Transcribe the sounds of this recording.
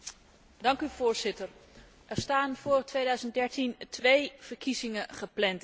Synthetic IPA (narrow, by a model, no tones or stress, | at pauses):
dɑŋkyv̥ʊːɹzɪtəɹ | ʔɛɹstaːnv̥ʊːrtʋejdœɥzənd̚dɛɹtintʋejv̥əɹkizɪŋəχəplɛnt